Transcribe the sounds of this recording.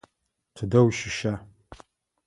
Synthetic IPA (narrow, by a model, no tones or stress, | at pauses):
tʰɨdɐwʃɪʃa